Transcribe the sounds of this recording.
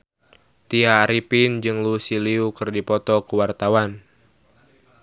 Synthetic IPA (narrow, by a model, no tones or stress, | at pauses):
t̪iaːɾipind͡ʒɨŋlusiliukɨrdipɔt̪ɔkəwart̪awan